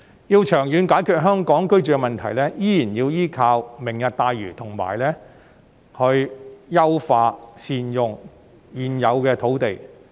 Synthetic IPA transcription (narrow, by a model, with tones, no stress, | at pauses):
jiː˧wt͡ʃʰœː˨˩ŋjyː˨˧nkaː˨˥jkʰyː˨˧t̚ɦœː˥ŋkɔː˨˥ŋkɵ˥ɥt͡ʃyː˨kɛ˧mɐ˨˩nt̪ʰɐ˨˩jlɛː˥jiː˥jiː˨˩njiː˧wjiː˥kʰaː˧wmɪ˨˩ŋjɐ˨t̚t̪aː˧jɥy̰ː˨˩t̪ʰʊ˨˩ŋma̰ː˨˩jlɛː˥ | hɵ˧ɥjɐ˥wfaː˧siː˧njʊ˨ŋ | jiː˨njɐ˨˧wkɛː˧t̪ʰo˨˥wt̪e˨j